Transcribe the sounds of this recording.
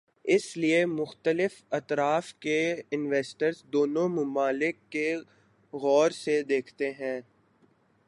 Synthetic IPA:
ɪsliemʊxt̪əlɪfɐt̪ɾaːfkeɪnʋeːsʈəɾzd̪oːnõmʊmaːlɪkːe | ɣɔːɾsed̪eːkʰt̪eɦɛ̃ː

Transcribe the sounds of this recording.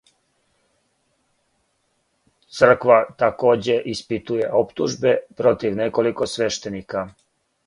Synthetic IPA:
t̪sr̩kʋat̪ako̞ːd͡ʑe̞ʔispit̪uje̞ʔo̞pt̪uʒbe̞pɾo̞t̪iʋne̞ko̞likosʋe̞ʃt̪e̞nika

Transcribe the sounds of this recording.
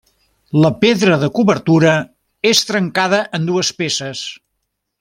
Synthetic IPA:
ləpeðɾəðəkuβəɾt̪uɾə | est̪ɾəŋkaðəʔənd̪uəspesəs

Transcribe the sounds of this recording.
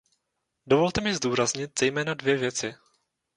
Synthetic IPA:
do̞vo̞lt̪ɛmɪzduːɾazɲɪt̪̚z̥ɛjmɛːnadvjɛvjɛt͡sɪ

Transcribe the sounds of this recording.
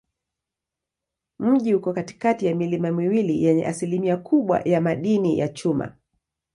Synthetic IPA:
m̩ʄihukɔkati̥katijamilimamiwilijɛɲɛ̰ʔasilimiakʰuɓwa̰jamaɗinija̰t͡ʃuma̰

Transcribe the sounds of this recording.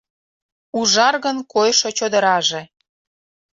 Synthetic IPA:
uʒɑrɣənkojʃot͡ɕod̪ə̆ɾɑʒe

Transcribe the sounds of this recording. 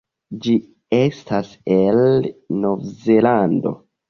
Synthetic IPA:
d͡ʒi | estʰaselno̞vzelando̞̰

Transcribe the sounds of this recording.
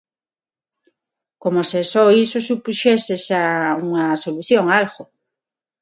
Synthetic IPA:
komosesoisosupuʃesesauŋɐsoluθjoŋalɣo

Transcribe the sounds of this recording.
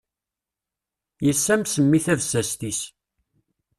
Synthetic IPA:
jəsːæmsəmːiθævsæst̪is

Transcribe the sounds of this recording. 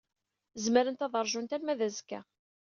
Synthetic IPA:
zməɾənt̪ɑðˤəɾˤʒunt̪æmːæðæzkːæ̰

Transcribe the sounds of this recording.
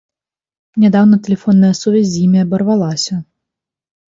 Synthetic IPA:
nʲad̪awnɐt̪ɛlʲɛfɔnːɐjɐsuvʲɛzʲzjimʲiɐbɐrvalˠasʲɐ

